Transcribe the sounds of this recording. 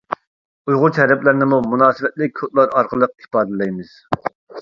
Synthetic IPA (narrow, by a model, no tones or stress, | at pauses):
ujʁʊt͡ʃ̪ʰɛɾɛplɪɾnɪmumunɑːsɨvɛt̪̚lɪk̚ʲʰot̪̚lˠɑɾɑɾqəlˠəq̚ipɑːd̪ɪlɛjmɨz̥